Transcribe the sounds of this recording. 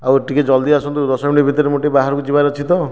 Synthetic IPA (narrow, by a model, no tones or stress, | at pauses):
aweʈiked͡ʒɔld̪iasɔnt̪ud̪ɔsɔminibʱit̪ɔɾemoʈebaɦaɾɔkud͡ʒibaɾɔt͡ʃʰit̪ɔ